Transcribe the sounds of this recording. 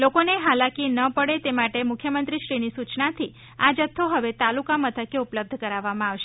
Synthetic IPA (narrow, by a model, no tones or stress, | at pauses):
lokoneɦalakinəpəɽet̪emaʈemʊkʰjəmənt̪ɾiʃɾinisut͡ʃnat̪ʰi | ad͡ʒət̪ʰːoɦəʋet̪alukamət̪ʰəkeupləb̚d̪ʱkəɾaʋːamãaʋʃe